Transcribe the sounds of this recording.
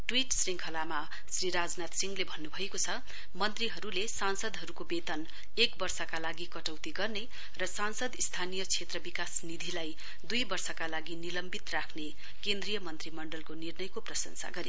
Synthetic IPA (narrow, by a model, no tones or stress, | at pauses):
ʈwiʈsriŋkʰʌlama | sriɾad͡znat̪siŋɡlebʱʌnːubʱʌekot͡sʰʌ | mʌnt̪riɦʌɾulesansʌd̪ɦʌɾukobet̪ʌn | ekbʌrsʌkalaɡikʌʈʌwt̪iɡʌrne | rʌsansʌd̪ist̪ʰanijʌt͡sʰet̪rʌbikasnid̪ʱilaj | d̪ujbʌrsʌkalaɡinilʌmbit̪rakʰne | kend̪rijʌmʌnt̪rimʌɳɖʌlkonirnʌjkoprʌsʌnsa̰ɡʌɾi